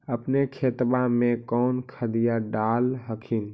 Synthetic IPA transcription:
əpnekʰet̪bamekɔnkʰəd̪ijaɖalɦəkʰin

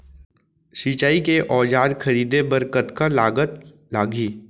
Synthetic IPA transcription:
sit͡ʃaːikeʔɔːd͡ʒaːɾkʰɐɾiːd̪ebəɾkət̪kalaːɡət̪ | laːɡiː

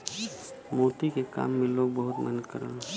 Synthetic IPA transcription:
moːt̪ikeka̰ːmːẽloːɡ̚bəɦʊt̪mənəd̪̚kə̰ɾə̰l

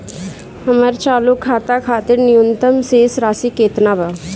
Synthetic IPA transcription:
həməɾt͡ʃaːlʊkʰːaːt̪aːkʰaːt̪ɪɾnɪjʊnt̪əmseːsɾaːsiːkeːt̪naːbaː

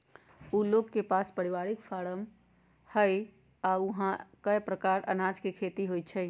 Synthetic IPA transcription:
uloɡkepaspəɾiʋaɾikfʰaɽəm | həj | auɦãkəjpɾəkaɾə̰nad͡ʒkekʰet̪iɦojt͡ʃʰɛ

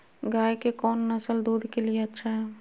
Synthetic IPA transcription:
ɡaːjkekɔːnːɐsəld̪uːd̪ʱkelieɐtːʃʰaɦɛː

